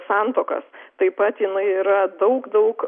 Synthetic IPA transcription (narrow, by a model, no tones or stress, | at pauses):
sɑˑnt̪oːkɐ̰st̪ɐɪpɐt̪jɪnɐɪiːɾɐd̪ɐʊkd̪ɐʊk